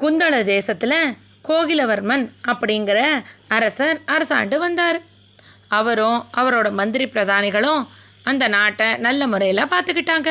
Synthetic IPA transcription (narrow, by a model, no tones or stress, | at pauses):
kʊnd̪ɐɭɐd̪eːsɐt̪ːɪlɐ | koːɣɪlɐʋɐɾmɐnɐpːɐɽɪŋɡɪɾɐɐɾɐsɐɾɐɾɐsa̰ːɳɖɯʋɐnd̪aːɾɯ | ɐʋɐɾõʔɐʋɐɾoːɽɐmɐnd̪ɪɾɪpːɪɾɐðaːnɪɣɐɭõ | ɐnd̪ɐnaːʈːɐnɐlːɐmɯrɐjɪlãːpaːɾt̪ɯkːɪʈːaːŋɡɐ